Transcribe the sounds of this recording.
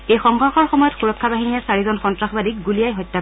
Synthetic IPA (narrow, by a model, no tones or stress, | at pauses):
ejxɔŋɡʱɔɹxɔɹxɔmɔjɔtxuɹɔkʰːabaɦinijasaɹizɔnxɔntɹaxbadik̚ɡulijajɦɔjtːa